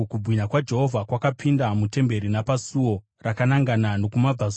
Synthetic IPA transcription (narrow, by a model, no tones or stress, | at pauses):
kubwiɲakwad͡ʒe̞ɦo̞vʱakwakapʰindamute̞mbe̞ɾinapasuwo̞ | rakanaŋɡanano̞kumab͡va